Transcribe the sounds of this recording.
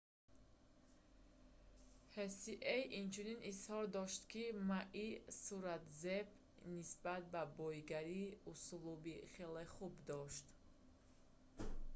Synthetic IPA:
hesiʔejint͡ʃʰuninʔishɔɾd̪ɔʃt̪kʰimaʔisuɾat̪zeb | nisbat̪̚babɔjɡaɾiusulubiχeleχubd̪ɔʃt̪

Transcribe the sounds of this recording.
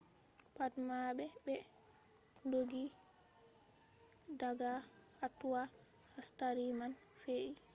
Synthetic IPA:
patmabɛbɛ | doɡi | daɡahatːuwahastaɾimanfeʔi

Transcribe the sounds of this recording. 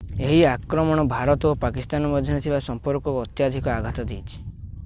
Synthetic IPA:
eɦiakɾɔmɔɽ̃ɔbʱaɾɔt̪ɔopakist̪anɔmɔd̪ʱjɔnet̪ʰibasɔmpɔɾkɔːt̪jad̪ʱikɔaɡʱat̪ɔd̪ejt͡ʃʰi̥

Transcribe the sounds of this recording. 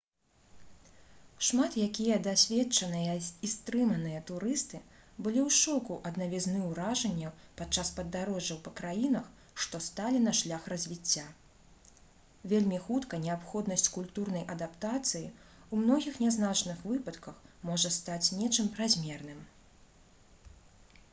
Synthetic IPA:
ʂmat̪jakʲijɐd̪asʲvʲɛtt͡ʂɐnɨjɐist̪ɾɨmɐnɨjɐt̪uɾɨst̪ɨbɨlʲiwʂɔkuʔɐd̪nɐvʲiznɨwɾaʐɐnʲːɐpat͡ʂːaspɐd̪ːaɾɔʐɐwpɐkɾajin̪ɐx | ʂt̪ɔst̪alʲinɐʂlʲaxrɐzʲvʲit͡sʲːa | vʲelʲmʲixut̪kɐnʲɛapxɔd̪nɐsʲt͡sʲkulʲt̪urnɐjʔɐd̪apt̪at̪sɨjiumnɔɣʲixnʲɛznat͡ʂnɨxvɨpɐt̪kɐxmɔʐɐst̪at͡sʲnʲɛt͡ʂɨmpɾazʲmʲɛrn̪ɨm

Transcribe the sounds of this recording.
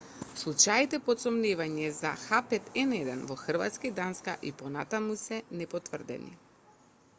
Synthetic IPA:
slˠut͡ʃait̪ɛpɔt̪sɔmnivaɲɛzaxapɛt̪ɛnɛd̪ɛnvɔxr̩va̰t̪skid̪anskaʔipɔnat̪amusɛnɛpɔt̪vr̩d̪ɛ̰nḭ

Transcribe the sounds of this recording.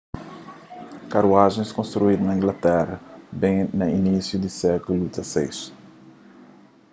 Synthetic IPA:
kaɾuaʒẽskõnst̪ɾuid̪unɐĩŋɡlɐt̪ɛrɐbẽjnɐinisjud̪isɛkulut̪ɐsejs

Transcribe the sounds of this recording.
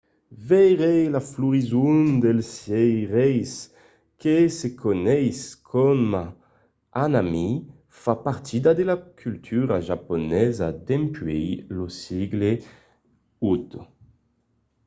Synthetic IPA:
vɛjʁejlafluʁizund̪elsjɛjʁɛjs | kesekʰonɛjskʰɔma | anami | fapaʁt̪ʰid̪ad̪elakʰylt̪ʰyɾaʒaponɛza̰d̪ɛmpɥejlosiɡle | ut̪

